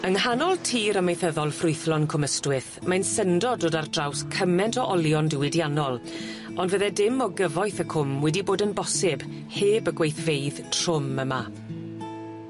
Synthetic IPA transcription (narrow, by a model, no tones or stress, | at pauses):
əŋɦanɔlˠtʰiːɾəmejθəðɔlˠfrʊɨθlɔnkʰʊməstwɪθ | mansəndɔdoːdardrawskʰəmɛntʰɔʔɔlˠjɔndɪwɪdjanɔlˠ | ɔndvəðɛdɪmɔɡəvɔjθəkʰʊmwɛdiboːdənbɔsɪb̥ | heːbəɡwejθvejðtʰr̥ʊməma